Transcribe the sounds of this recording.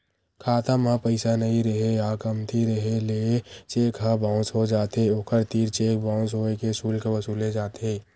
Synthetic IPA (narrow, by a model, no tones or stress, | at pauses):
kʰaːt̪amãpəɪsanɐɦĩɾəɦeaːkəmt̪ʰiɾəɦeleːt͡ʃeːkɦabãːʊ̃sɦod͡ʒaːt̪eoːkʰəɾt̪iːɾt͡ʃeːkbãːʊ̃sɦoekesuːlkeʋəsuːled͡ʒaːt̪eː